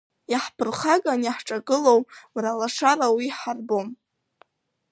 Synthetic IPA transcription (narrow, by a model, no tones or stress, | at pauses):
jaħpʰɨrχaɡʼanjaħʈ͡ʂʼaɡɨlo̞wmralaʂarawiħarbo̞m